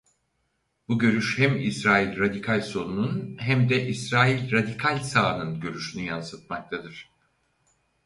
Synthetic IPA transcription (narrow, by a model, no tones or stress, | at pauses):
b̥uɟø̞ɾyʃhæmḭsɾaːilʲɾad̪ikʰalʲso̞nununɦæmd̪ɛʔisɾaːilʲɾad̪ikʰalʲsaːnɯnɟø̞ɾyʃynyjansɯt̪̚mak̚t̪ʰad̪ɯɾ̝̥